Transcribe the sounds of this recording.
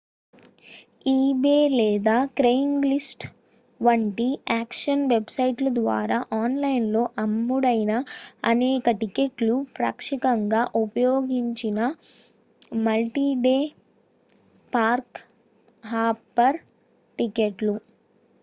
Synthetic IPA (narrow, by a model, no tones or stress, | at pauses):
iːbeːlɛːd̪aːkɾejiŋɡlisʈ | ʋɐɳʈiaːkʂɐnʋebsɐjʈlɐd̪ʋa̰ːɾaːʔaːnlɐjnlo̞ːʔɐmːuɽɐjnɐɐnɛːkɐʈikeʈlupɾɐ̰kʂikɐŋɡaːʔupɐjoːɡiɲt͡ʃinɐ | mɐlʈiːɖeː | paːɾk | ɦaːpːɐɾ | ʈikeʈlu